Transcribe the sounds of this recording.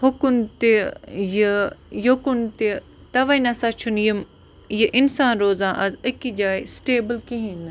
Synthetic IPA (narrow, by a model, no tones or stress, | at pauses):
hʊkunt̪ejijokunt̪e | t̪ɐʋainɐsaːt͡ʃʰunjim | jiʔɪnsaːnɾoːzãːʔɐzəkid͡ʒaːisʈeːbəlkiɦĩn